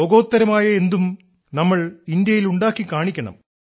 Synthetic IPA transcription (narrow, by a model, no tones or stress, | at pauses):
oɡo̞ːt̪ːɐɾɐmaːjɐe̞nd̪um | nɐmːɐɭind̪jɐjiluɳɖaːkːikːaːɳikʲːɐɳɐ̰m